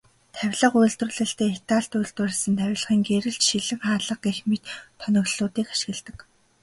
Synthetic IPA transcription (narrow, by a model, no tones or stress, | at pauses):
t̪ʰæwʲɮə̆qujɮt̪rʊ̆ɮɘ̆ɬt̪eːet̪aːɬt̪ujɮt̪ʊɮ̆sə̆nt̪ʰæwʲɮə̆χiːŋɡeɾɘ̆ɬt͡ɕʃiɮɘ̆ŋχaːɮə̆q̚ɡexmit̪ʰːœnɞ̆ɣɮʊːt̪iːkḁʃɪ̆ɣɘ̆ɮt̪ə̆k